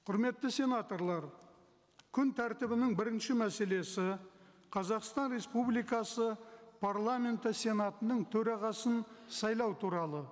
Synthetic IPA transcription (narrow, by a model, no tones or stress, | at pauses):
qʰʊɾme̞t̪ːəsʲe̞nat̪o̞ɾlˠɑɾ | kʲʰʏnt̪ʰæɾt̪ɪbɪnɪŋbɪɾɪnʃɪmæse̞le̞sɪ | qʰɑzɑqst̪ɑnɾe̞spublijkɑsəpʰaɾlˠamʲe̞nt̪əsʲe̞nɑt̪ənəɴt̪ʰɵɾɑʁɑsənsɑjlˠɑwt̪ʰuɾɑlˠə